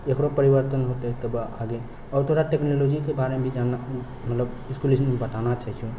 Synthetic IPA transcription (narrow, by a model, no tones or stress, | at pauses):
ekɽopəɾibəɾt̪ənɦot̪et̪əbaɡe | ɔːɾt̪ʰoɾaʈeknolod͡ʒikebaɾemebʱid͡ʒana | mət̪ləb | iskulisənmebət̪anat͡ʃat͡ʃʰũ